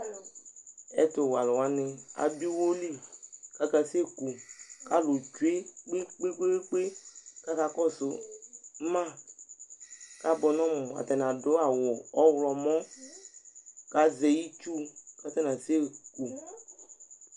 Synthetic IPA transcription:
ɛ̰˦to˨wa˨lʊ˨wa˦nɪ˨a̰˨bi˦wo˦li˦˨ka˦ka˨se˦ku˨ka˦lo˨d͡ʒu˨˦e˦k͡pe˦k͡pe˦k͡pe˦e˦k͡pe˦ka˦ka˦kɔ˦sʊ˨˦ | mã˦ | ka˨bɔ˨nɔ̃˦mʊ̃˨a̰˨t̪ɛ˨nã˨dʊ˨˦a˨wɔ˨ɔ˦wlɔ˨mɔ̃˦ | ka˨ze˨ji˦t͡ʃu˦ka˦t̪ɛ˦na˨se˦ku˨

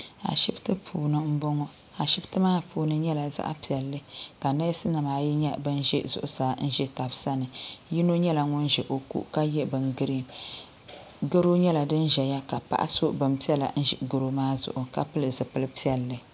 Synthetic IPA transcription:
a̰˨ʃi˦btɨ˦pʰuː˨nɨ˦m̩˦bɔ˦ŋɔ˦ | a˨ʃi˦btɨ˦maː˦pʰuː˨nɨ˦ɲɛ˦la˨za̰˦ʔa̰˦pi˨ɛ˨lːɨ˦ka˨nɛ˦sɨ˦na˨maː˨ji˦ɲɛ˦bɨ˦n˦ʒɛ̰˦zʊ̰˨ʔʊ˦saː˨˦n̩˦ʒɛ˦ta˨bsa˦nɨ˨ji˦no˦ɲɛ˦la˨ŋʊ˦nʒɛ˨ʔo˨kṵ˦ʔka˦jɛ˦bɨ˨ŋɡɨ˦ɾi˦ŋ | ɡɨ˦ɾo˦ɲɛ˦la˨dɨ˦nʒɛ˨ja˦ka˨pa̰˦ʔa̰˦so˦bɨ˨mpi˦ɛ˦la̰˨n̩˦ʒ̰ɡɨ˨ɾo˦maː˦zʊ̰˨ʔʊ˨ka˦pɨ˦lɨ˨zɨ˨pɨ˦lɨ˦pi˦ɛ˨lːɨ˨

